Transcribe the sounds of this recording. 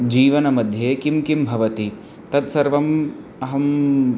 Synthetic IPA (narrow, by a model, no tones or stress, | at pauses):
d͡ʒiːʋɐnɐmɐd̪ʱjeːkimkimbʱɐʋɐt̪i | t̪ɐt̪sɐɾʋɐm | ɐɦɐm